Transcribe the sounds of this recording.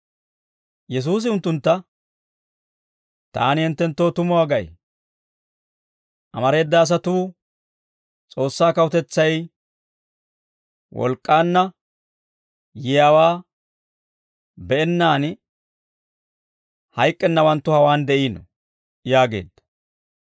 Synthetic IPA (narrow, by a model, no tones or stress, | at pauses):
jɛs̬uːs̬ɪʊnt̪ːʊnt̪ːɐ | t̪a̰ːnɪhɪnt̪ːɛnt̪ːo̞ːt̪ʊmʊwaːɡɐʔj̰ | ʔɐmɐɾe̞ːd̪ːaːs̬ɐt̪uː | t͡sʼo̞ːsːaːkɐwʊt̪ɛt͡sːɐj | wʔɔ̰lkʼːaːnːɐ | jɪjaːwaː | bɛʔɛnːaːn | hɐjkʼːɛnːɐwɐnt̪ːʊhɐwaːnd̪ɛʔiːnɔ̰ | jaːɡe̞̰ːd̪ːɐ̥